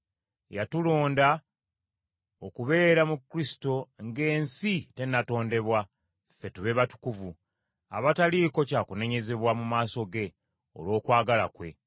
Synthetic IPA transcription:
jatulo̞ːnda | okuβe̞ːɾamukːɾisi̥to̞ŋɡe̞ːnsite̞nato̞ːnde̞βwa | fe̞tuβe̞βatu̥kuvu | a̰βataliko̞caːkune̞ɲe̞ze̞βwamumaːso̞ɡe̞ | o̞̰lwo̞ːkwaːɡala̰kwe̞̰

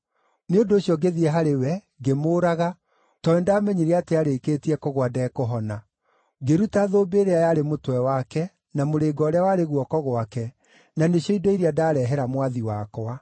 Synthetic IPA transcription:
neondoːɕjɔɡeðiɛɦaɾewɛ | ɡemoːɾaɣa | tɔɛndamɛɲiɾeateaɾeːkeːtiɛkɔɣwadɛkoɦɔna | ɡeɾutaðoːbeːɾeajaɾemotwɛwakɛ | namoɾeːɡɔːɾeawaɾeɣwɔkɔɣoakɛ | naneɕjɔidɔiɾiadaːɾɛɦɛɾamwaðiwakɔa

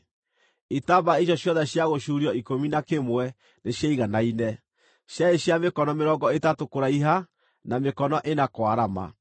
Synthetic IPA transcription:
itaːmbaeɕ̬ɔɕjɔðɛɕjaɣoɕuɾiɔikominakemwɛ | neɕjaiɣanainɛ | ɕaeɕjamekɔnɔmeɾɔŋɡɔetatokoɾaiɦa | namekɔnɔʔenakwaɾama̰

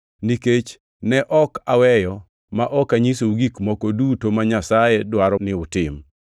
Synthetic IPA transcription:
niket͡ʃ | nɛʔɔkawɛjɔ | maʔɔkaɲisouɡikmɔkodutomaɲasajɛdwaɾɔnɪʊtɪm

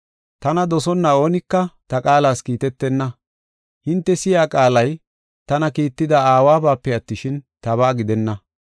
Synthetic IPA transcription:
t̪ɐnɐd̪ɔsɔnːɐo̞ːnɪkːɐt̪ɐkʼaːlaːskiːt̪ɛt̪ːɛnːɐ | hɪnt̪ːɛsɪjaːkʼaːlɐj | t̪ɐnɐkiːt̪ːɪd̪ɐaːwaːbaːpːɛɐt̪ːɪʃɪnt̪ɐβaːɡɪd̪ɛnːɐ

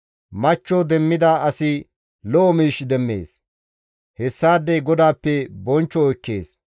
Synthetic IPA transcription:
mɐt͡ʃːɔd̪ɛmːɪd̪aːʔɐsɪ | lɔʔɔmiːʃd̪ɛmːe̞̰ːs | hɛsːaːd̪ːɛjɡɔd̪aːpːɛbɔnt͡ʃːɔːjkːe̞ːs

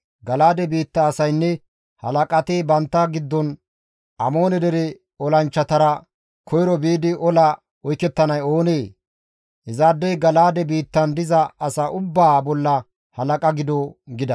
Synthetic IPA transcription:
ɡɐlaːd̪ɛbiːt̪ːɐːsɐjnːɛ | hɐ̰lɐkʼɐt̪ɪbɐnt̪ːɐɡɪd̪ːɔn | ɐmo̞ːnɛd̪ɛɾɛ | ɔlɐnt͡ʃːɐt̪ɐɾɐ | kʰɔjɾɔbiːd̪ɪʔɔlɐ | ɔjkːɛt̪ːɐnɐjoːneː | hɛzaːd̪ːɛɡɐlaːd̪ɛbiːt̪ːɐnd̪ɪzɐːsɐʔʊbːaːbɔlːɐ | hɐlɐkʼɐɡɪd̪ɔɡɪd̪ɐ

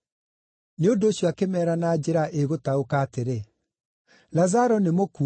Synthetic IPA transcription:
neondoːɕjɔakemɛːɾanad͡ʑeɾaʔeɣotaokaːteɾe | lazaɾɔnemoku

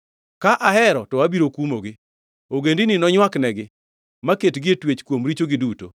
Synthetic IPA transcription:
kaʔaɦɛɾɔtɔabiɾokumoɡɪ | oɡendinɪnɔɲwaknɛɡɪ | maketɡɪetwet͡ʃkwomɾit͡ʃoɡɪduto̰

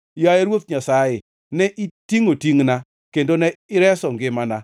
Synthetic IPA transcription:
jajeɾwot̪̚ɲasajɪ | nɛʔitiŋotiŋna | kendonɛɪɾɛsɔŋɡɪmana

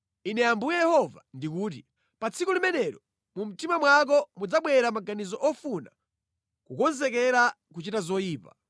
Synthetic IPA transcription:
inɛambujɛjɛhɔvandikuːt̬i | pat͡sʰikulimɛnɛɾɔ | mum̩timamwak̬ɔmud͡zaɓwɛɾamaɡanizɔʔɔfuna | kukɔnzɛkɛɾa | k̬ut͡ʃitazɔjiːpa

